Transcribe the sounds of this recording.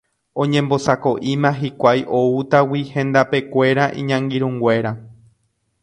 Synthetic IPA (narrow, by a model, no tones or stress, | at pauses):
õ̞ɲẽ̞mbo̞sako̞ʔĩmãɦikʷajʔo̞ut̪awihẽ̞nd̪ape̞kʷe̞ɾaʔḭ̃ɲãŋɡiɾũŋɡʷe̞ɾa